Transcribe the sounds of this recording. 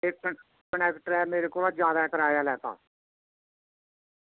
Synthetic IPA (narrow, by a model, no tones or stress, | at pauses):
ek | kəɳɛːkʈəɾɛːmeːɾekoːlaːd͡ʒjaːd̪aːkəɾaːjaːlɛːt̪a̰ː